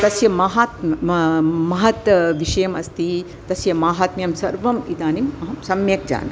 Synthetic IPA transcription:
t̪ɐsjɐmɐɦaːt̪mɐmɐɦɐt̪ʋiʂɐjɐmɐst̪i | t̪ɐsjɐmaːɦaːt̪mɐjɐmsɐɾʋɐmit̪aːnimɐɦɐmsɐmjek̚d͡ʒa̰ːnɐ

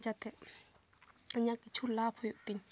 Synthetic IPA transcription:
d͡ʑat̪e | ɲaʔkit͡ɕʰulapʰojoʔt̪en

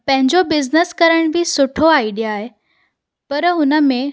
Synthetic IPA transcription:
pɐ̃ɦɪ̃ɲd͡ʑobɪznəskɐɾəɽ̃ʋisʊʈʰoaːiɖijaːɦe | pɐɾɦʊnəmẽ

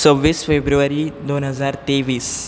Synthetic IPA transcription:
səʋʋisfebɾuʋaɾiːd̪onɦəd͡zaɾt̪eʋiːs

